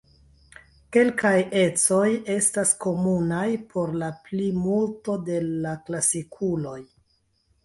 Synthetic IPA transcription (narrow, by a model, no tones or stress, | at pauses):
ke̞lkaje̞t͡so̞je̞stasko̞munajpʰo̞ɾlaplimulto̞de̞laklasikʰulo̞j